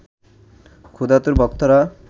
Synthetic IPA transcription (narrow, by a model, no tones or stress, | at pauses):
kʰud̪at̪uɾbɔkt̪ɔɾa